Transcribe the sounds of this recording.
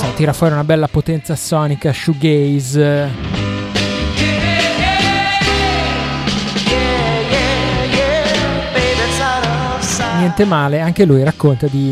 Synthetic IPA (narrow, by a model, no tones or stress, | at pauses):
sɔt̪iːɾafwɔːɾiunabɛlːapot̪ɛnt̪sasɔːnikaʃuɡejz | ejejeved̪esaɾoosanɛnt̪emaːleaŋk̟elujɾakːont̪ad̪i